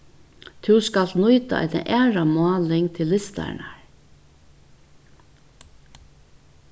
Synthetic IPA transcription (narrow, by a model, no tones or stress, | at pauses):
t̪ʰɪwskalt̪nʊjt̪a̰ʔɛ̰t̪na̰ʔɛːɹamʊɑːlɪŋt̪ʰɪlːɪst̪a̰ɳa̰ɹ